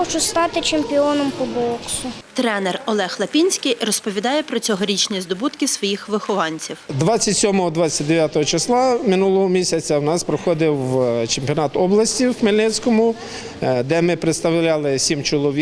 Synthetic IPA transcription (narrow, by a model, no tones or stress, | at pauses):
ɔt͡ʃɔst̪ɑt̪ɪt͡ʃemʲpʲɪɔnɔmpɔbɔksʊt̪ɾɛnɛrɔlˠɛxlˠɐpʲinʲsʲkijrɔspɔʋʲid̪ɑjɛpɾɔt͡sʲɔɦɔɾʲit͡ʃnʲizd̪ɔbut̪kɪsʋɔjixʋɪxɔʋɑnʲt͡sʲiwd̪ʋɑt͡sʲːɐtʲsʲɔmɔɦɔd̪ʋɑt͡sʲːɐtʲd̪eʋʲjat̪ɔɦɔt͡ʃɪslˠɑmɪnulˠɔɦɔmʲisʲɐt͡sʲɐwnɑspɾɔxɔd̪ɪwt͡ʃemʲpʲiɔnɑt̪ɔblˠɐsʲtʲiwmelʲnɛt͡ssʲkɔmʊ | d̪ɛmɪpɾet̪st̪ɐwlʲɑlˠɪsʲimt͡ʃɔlˠɔʋʲi